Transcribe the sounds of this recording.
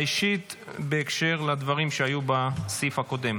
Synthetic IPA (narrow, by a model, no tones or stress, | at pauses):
iʃit̪beːkʃe̞ʁlad̪vaʁimʃeajubasifako̞d̪e̞m